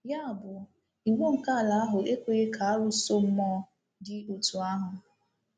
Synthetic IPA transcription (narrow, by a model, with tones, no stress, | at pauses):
ja˦a˨bʊ˨ | i˨wo˦ŋ̩˨ka˦˨la˨˦a˦ɦʊ˨e˦kʷe˨ɣe˦ka˨a˦ɾu˦so˦m̩˦mɔ˦ | dɪ˦o˨tu˨a˦ɦʊ˨